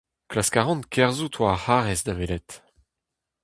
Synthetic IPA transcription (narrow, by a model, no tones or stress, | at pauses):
klaskaʁɔ̃nkʰɛʁzut̪ʰwahaʁɛsd̪avelɛt̪